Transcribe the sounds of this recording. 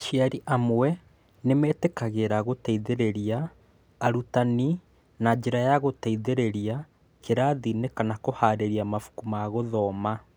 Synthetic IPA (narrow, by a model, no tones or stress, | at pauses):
ʃiaɾiʔamwɛ | nemɛːtekaɣeɾaɣotaiðeɾeɾiaː | ɾutani | nad͡ʒeɾajaɣotaiðeɾeɾia | keɾaðinekanakohaːɾeɾiamafu̥kumaːɣoðɔma